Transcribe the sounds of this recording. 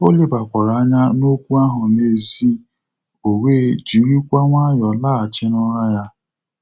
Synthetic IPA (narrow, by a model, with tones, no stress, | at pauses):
o˦le˦ba˨kʷa˨ɾa˨a˦ɲa˦no˦kʷu˦a˦ɦʊ˨ne˦zi˦ | o˨weː˦˨d͡ʒi˨˦ɾi˦kʷa˦ŋʷa˦jɔ˨laː˦˨a˨t͡ʃɪ˦nʊ˦ɾa˦ja˦